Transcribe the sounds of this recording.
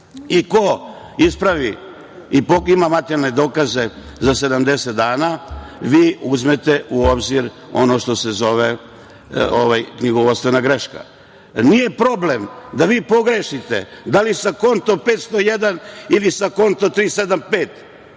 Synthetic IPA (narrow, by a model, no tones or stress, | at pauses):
iko | ispɾaʋi | ipoimamat̪eɾalned̪o̞ːkaze̞ | zase̞d̪amd̪e̞set̪̚d̪aːnaʋiːuzme̞t̪eʔuobziɾ | o̞noʃt̪o̞se̞zo̞ʋe | o̰ʋajkɲiɡoʋot̪st̪ʋe̞naɡɾe̞ʃka̰ | nije̞pɾo̞ble̞md̪aʋiːpo̞ɡɾeʃit̪ḛd̪alisako̞nt̪opeːt̪st̪ojed̪anilisako̞nt̪ot̪ɾiːse̞d̪ampeːt̪